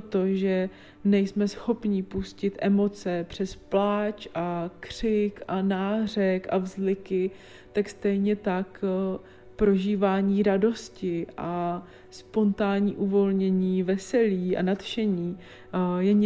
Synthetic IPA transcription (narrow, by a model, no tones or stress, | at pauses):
t̪o̞ʒɛ | nɛjsmɛsxo̞pɲɪpuscɪt̪ʔɛmo̞t͡sɛpr̝̥ɛsplaːt͡ʃʔakr̝̥ɪkʔanaːr̝ɛkʔavzlɪkɪ | t̪akst̪ɛjɲɛt̪ak | pɾo̞ʒiːvaːɲiːɾado̞scɪʔa | spo̞nt̪aːɲiːʔuvo̞lɲɛɲiːvɛsɛliːʔa̰nat̪ʃɛɲiː | jɛɲ